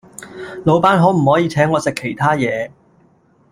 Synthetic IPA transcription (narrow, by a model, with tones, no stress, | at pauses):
lo˨˧wpaː˥nɦɔː˨˥m̩˨˩hɔː˨˥jiː˨˧t͡sʰɛː˨˥ŋːɔː˨˧sɪ˨kʰːe˨˩jt̪ʰaː˥jɛː˨˧